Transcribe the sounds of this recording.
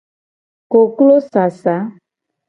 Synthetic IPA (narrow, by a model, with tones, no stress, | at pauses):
ko˨klo˦sa˨sa˨˦